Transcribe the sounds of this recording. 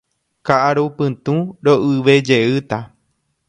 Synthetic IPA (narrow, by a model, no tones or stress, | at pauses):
kaʔaɾopɨ̃t̪ũɾoʔɨʋe̞d͡ʒeɨt̪a